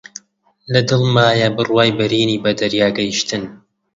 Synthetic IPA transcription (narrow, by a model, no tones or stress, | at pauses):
lɐd̪ɨlˠmaːjabɨrwaːjbɐɾiːniːbɐd̪ɐɾjaːɡɐjiʃt̪ɨn